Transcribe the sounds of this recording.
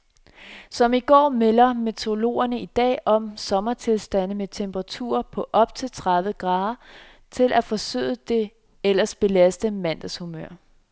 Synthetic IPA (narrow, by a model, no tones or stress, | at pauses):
sɒ̽miɡ̥ɒ̰ːmelɐmet͡sʰo̝lo̝̰ːɐnəid̥ɛ̰ːʔɒ̽msɒ̽mɐt͡sʰe̝lsd̥æn̰ð̩met͡sʰemb̥əʁɑ̈t͡sʰṵːɐpʰɒ̽ʔɒ̽b̥̚t͡sʰe̝lt͡sʰʁɑðˠʋəɡ̥ʁɑ̈ːðˠɐ | t͡sʰe̝lʔæfɒ̽sø̰ːðˠəd̥e̝ | elɐsb̥e̝læsd̥əmæn̰d̥æshumøɐ̰